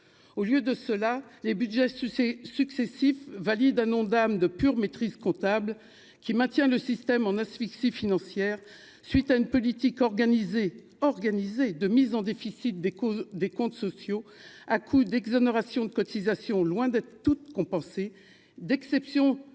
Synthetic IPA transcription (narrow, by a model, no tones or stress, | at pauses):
oljød̪əsəlalebyd̪ʒɛssyksesifvalid̪ɛ̃nɔ̃d̪amd̪əpyʁmet̪χizkɔ̃t̪abl | kʲimɛ̃t̪jɛ̃ləsist̪ɛmɑ̃nasfiksifinɑ̃sjɛʁ | sɥit̪aynpɔlit̪ikɔʁɡanize | ɔʁɡanized̪əmizɑ̃d̪efisit̪̚d̪ed̪ekɔ̃t̪sɔsjoakʰud̪ɛɡzɔneʁasjɔ̃d̪əkɔt̪izasjɔ̃lwɛ̃d̪ɛt̪χət̪ut̪kɔ̃pɑ̃se | d̪ɛksɛpsjɔ̃